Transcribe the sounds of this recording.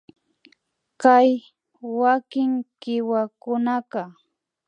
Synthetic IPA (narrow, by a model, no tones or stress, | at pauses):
kaj | wakɪŋkɪwakʊnaqɑ